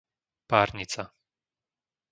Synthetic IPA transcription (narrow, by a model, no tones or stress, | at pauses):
paːɾɲit͡sa